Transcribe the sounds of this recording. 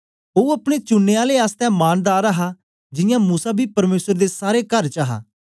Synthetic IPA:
oːɐpɽ̃et͡ʃʊnːeaːleaːst̪ɛ̃ːmaːnd̪aːɾəɦa | d͡ʒɪjãmuːsabʱipɐɾmeːsəɾd̪esaːɾekəɾt͡ʃaɦa̰ː

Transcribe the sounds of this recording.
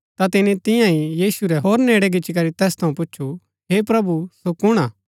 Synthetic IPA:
t̪at̪ɪnĩt̪ɪ̃jãɦĩjiːsuɾɛɦoːɾneːɽɛɡɪːt͡ʃːik̬ɐɾit̪ɛːst̪ʰɐũpʊːʃʰu | ɦepɾɐbusokʊɽ̃aː

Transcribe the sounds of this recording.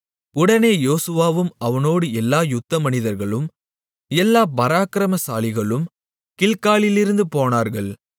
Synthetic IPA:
ʊɽɐneːjoːsɯʋaːʋɯmɐʋɐnoːɽɯɛlːaːjʊt̪ːɐmɐnɪðɐɾɣɐɭɯm | ɛlːaːbɐɾaːkɾɐmɐsaːlɪɣɐɭɯm | kɪɭkaːɭɪlɪɾɯnd̪ɯpoːnaːɾɣɐɭ

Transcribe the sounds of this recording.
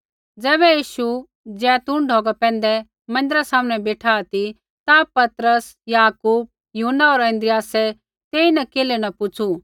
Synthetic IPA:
d͡zɛːβɛjiːʃu | d͡zɛ̃ːt̪ʊ̃ɳɖʱoːɡapɛ̃ːn̆d̪ɛ | mɐ̃nd̪ɪɾasaːməñɛ̃beːʈʰaːt̪i | t̪apɐt̪ɾəs | jaːkuːb̚ | juɦənːaɔːɾɛ̃nd̪ɾɪjaːsɛ | t̪eːinɛkeːlenɐpʊt͡ʃʰu

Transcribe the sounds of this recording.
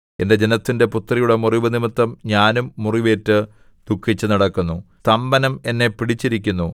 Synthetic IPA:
e̞nde̞d͡ʑe̞nɐt̪ːinde̞put̪ːrɐjuɽe̞muriʋɨnimɨt̪ːɐmɲaːnumːuriʋe̞ːtːɨ | d̪̥ukʰːit͡ɕːɨnɐɽɐkːunːu | t̪ɐmbɐnɐme̞nːe̞piɽit͡ɕːiɾikʲːunːu

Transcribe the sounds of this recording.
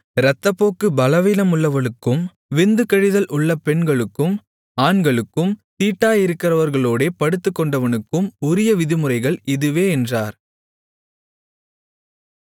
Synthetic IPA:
ɾɐt̪ːɐpːoːkːɯbɐlɐʋiːnɐmʊɭːɐʋɐɭɯkːɯm | ʋɪnd̪ɯkɛɻɪðɐlʔʊɭːɐpɛɳɡɐɭɯkːɯm | aːɳɡɐɭɯkːɯmt̪iːʈːaːjɪɾɯkːɪrɐʋɐɾɣɐɭoːɽeːpɐɽɯt̪ːɯkːɔɳɖɐʋɐnɯkːɯmʊɾɪjɐʋɪðɪmɯrɐɪɣɐɭɪðɯʋeːɛndraːɾ

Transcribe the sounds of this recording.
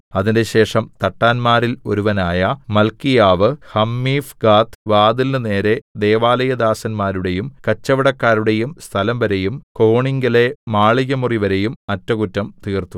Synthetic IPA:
ɐðinde̞ɕe̞ːʂɐmt̪ɐʈːaːnmaːɾilo̞̰ɾuʋɐnaːjɐmɐlkijaːʋɨhɐmːiːfɡaːt̪ʋaːd̪ilnɨne̞ːɾe̞d̪e̞ːʋaːlɐjɐd̪aːsɐnmaːɾuɽe̞jumkɐt͡ɕːɐʋɐɽɐkːaːɾuɽe̞jumst̪ʰɐlɐmʋɐɾe̞jumko̞ːɳiŋɡɐle̞maːɭiɣɐmuriʋɐɾe̞jumɐtːɐɣutːɐmt̪iːrt̪u

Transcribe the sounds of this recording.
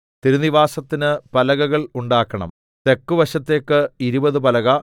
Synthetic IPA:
t̪iɾuniʋaːsɐt̪ːinɨpɐlɐɣɐɣɐɭuɳɖaːkːɐɳɐ̰m | t̪e̞kːuʋɐɕɐt̪ːe̞ːkːɨiɾubɐðɨpɐlɐɣɐ

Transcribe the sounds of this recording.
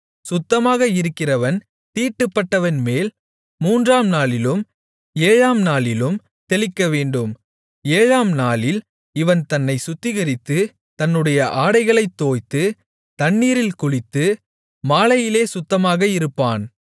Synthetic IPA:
sʊt̪ːɐmaːɣɐɪɾɯkːɪrɐʋɐn | t̪iːʈːɯpːɐʈːɐʋɐnmeːl | muːndraːmnaːlɪlɯm | eːɻaːmnaːlɪlɯm | t̪ɛɭɪkːɐʋeːɳɖɯm | eːɻaːmnaːlɪl | ɪʋɐnt̪ɐnːɐɪsʊt̪ːɪɣɐɾɪt̪ːɯ | t̪ɐnːɯɽɐjɐʔaːɽɐɪɣɐɭɐɪt̪ːoːjt̪ːɯ | t̪ɐnːiːɾɪlkʊɻɪt̪ːɯ | maːlɐjɪleːsʊt̪ːɐmaːɣɐɪɾɯpːaːn

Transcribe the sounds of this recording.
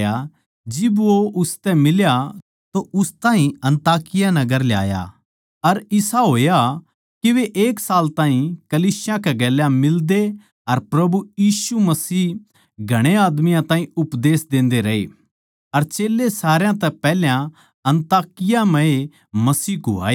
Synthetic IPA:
ja | d͡ʒɪbʋoʊst̪ɛmɪlja | t̪oʔʊst̪aːɦĩɐ̃nt̪aːkɪjanɐɡəɾlja̰ːja̰ | ɐɾɪsaɦoːja | kiʋeʔeːksaːlt̪ãːĩkɐliːsɪjãkɛɡɛːljãmɪld̪e | ɐɾpɾɐbujiːsumɐsiː | ɡʱɐɽ̃eaːd̪mɪjãt̪ãːɦĩʊpd̪eːsd̪ẽːnd̪eɾɐɦḛ | ɐɾt͡ʃeːlːesaːɾjãt̪ɛpɛːljã | ɐ̃nt̪aːkɪjamɐ̃e | mɐsiːkoa̰ːeː

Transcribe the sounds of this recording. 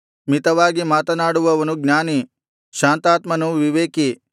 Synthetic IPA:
mit̪ɐʋaːɡimaːt̪ɐnaːɽuʋɐʋɐnuɡnjaːni | ʃaːnt̪aːt̪mɐnuʋiʋeːki

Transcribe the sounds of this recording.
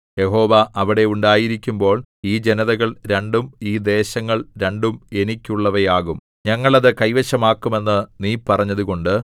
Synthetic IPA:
je̞ɦo̞ːʋɐʔɐʋiɽe̞uɳɖaːjiɾikʲːumbo̞ːɭiːd͡ʑenɐðɐɣɐɭɾe̞ɳɖumiːd̪e̞ːɕɐŋːɐɭɾe̞ɳɖume̞nikʲːuɭːɐʋɐjaːɣum | ɲɐŋːɐɭɐðɨkɐjʋɐɕɐmaːkːume̞nːɨniːpɐrɐɲːɐðuɣo̞ɳɖɨ

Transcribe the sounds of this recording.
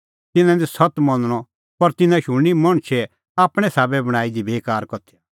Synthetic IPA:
t̪ɪnãd̪isɐt̪mɐnɽ̃ɔ | pɐɾt̪ɪnãʃʊ̃imɐɽ̃t͡ʃʰɛ | aːpɽ̃ɛsaːbɛbɐɽ̃aːid̪ibeːkaːɾkɔt̪ʰija

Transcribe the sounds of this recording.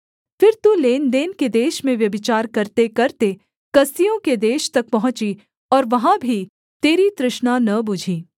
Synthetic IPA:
fɪɾt̪uːleːnd̪eːnked̪eːʃmẽʋjɐbɪt͡ʃaːɾkɐɾt̪ekɐɾt̪e | kɐsijõked̪eːʃt̪ɐk̚pɐɦʊ̃t͡ʃi | ɔːɾʋɐɦãbʱi | t̪eːɾit̪ɾɪʃnanɐbʊd͡ʒʱiː

